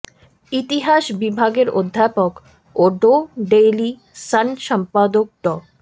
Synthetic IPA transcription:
it̪iɦaʃbibʱaɡeɾod̪ʱːapok | oɖoɖeli | sənʃəmpad̪ok̚ɖɔ

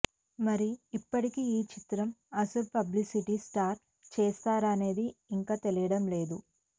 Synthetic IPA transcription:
mɐɾiːpːɐʈikiiːt͡ʃit̪ɾɐmɐsɐlpɐblisiʈisʈaːɾ | t͡ʃɛːst̪aːɾɐne̞ːd̪iːŋkaːt̪elijɐɽɐmle̞ːd̪u

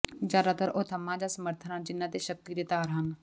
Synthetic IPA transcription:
d͡ʒaːd̪aːt̪əɾoːt̪ʰəmãːd͡ʒaːsəməɾt̪ʰənãːd͡ʒɪnːãːt̪eːʃək̚t̪iːd̪eːt̪aːɾɦən

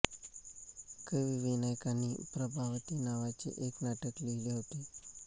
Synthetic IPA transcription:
keʋiʋinajkanipɾəbʱaʋt̪inaʋat͡ʃḛʔeknaʈəklilewt̪i

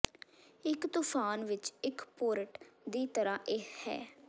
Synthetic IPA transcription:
ɪkt̪uːpʰaːnʋɪt͡ʃɪkpoːɾəʈd̪iːt̪əɾãːʔeːhɛ̰ː

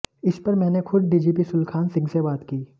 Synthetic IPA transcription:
ɪspɐɾmɛ̃ːnekʰʊɖ̪̚ɖiːd͡ʒiːp̬isʊlkʰaːnsɪ̃ŋɡsebaːt̪kiː

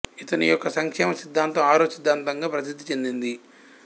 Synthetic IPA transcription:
it̪ɐnijɔkːɐsɐŋkʂɛːmɐsid̪ʱːaːnt̪ɐmaːɾoːsid̪ʱːaːnt̪ɐŋɡaːpɾɐt̪̬id̪ʱːit͡ʃe̞nd̪ind̪i

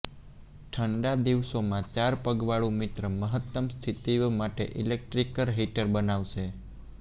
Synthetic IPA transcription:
ʈʰəɳɖad̪iʋsomãt͡ʃaɾpəɡʋaɭũmɪt̪ɾəməɦət̪ːəmst̪ʰit̪imaʈḛʔilek̚ʈɾikəɾɦiʈəɾbənaʋʃe

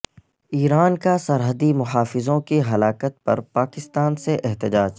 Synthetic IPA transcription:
iːɾaːnkasɐɾɦəd̪imʊɦaːfɪzõkiɦɐlaːkət̪̚pɐ̰ɾpaːkɪst̪aːnseʔɛɦt̪ɪd͡ʒaːd͡ʒ

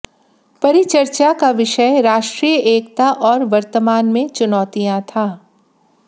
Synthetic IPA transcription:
pɐɾit͡ʃɐɾt͡ʃakaʋɪʃəjɾaːʃʈɾijəʔeːkt̪aʔɔːɾʋɐɾt̪əmaːnmẽt͡ʃʊnɔːt̪ijãt̪ʰaː

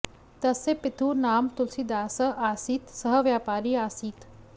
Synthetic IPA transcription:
t̪ɐsepɪt̪ʰuːnaːmt̪ʊlsid̪aːsɐʔaːsiːt̪sɐɦəʋjaːpaːɾiaːsiːt̪

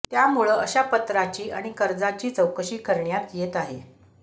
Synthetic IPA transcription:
t̪jamuɭəəɕapət̪ɾat͡ɕiːʔa̰ɽ̃ikəɾd͡zat͡ɕiːt͡səwkəɕiːkəɾɳjat̪jet̪aɦḛ

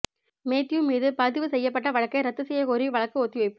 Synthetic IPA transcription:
meːt̪ːɪjɯmiːðɯpɐðɪʋɯsɛjːɐpːɐʈːɐʋɐɻɐkːɐɪɾɐt̪ːɯsɛjːɐkɔːɾiʋɐɭɐkːɯɔt̪ːɪɐːɪpːɯ

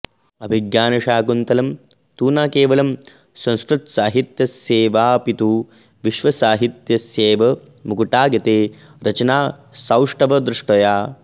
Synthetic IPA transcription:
ɐbʱiɡjaːnɐʃaːɡunt̪ɐlɐm | t̪uːnaːkeːʋɐlɐm | sɐ̃wskɾut̪saːɦit̪jɐseːʋaːpit̪u | ʋiʃʋɐsaːɦit̪jɐseːʋɐ | mukuʈaːɡjɐt̪eː | ɾɐt͡ʃɐnaːsawʂʈɐʋɐd̪ɾuʂʈɐjaː

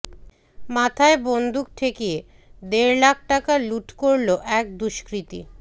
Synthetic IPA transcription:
mat̪ʰaebond̪ʱuk̚ʈ̪ʰekije | d̪eɾlak̚ʰʈakaluʈkoɾloʔɛk̚d̪uʃkɾit̪ḭ

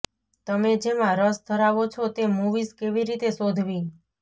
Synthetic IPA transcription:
t̪əmed͡ʒemãɾəsd̪ʱəɾaʋot͡ʃʰot̪emuʋizkeʋiɾit̪esod̪ʱʋĩ

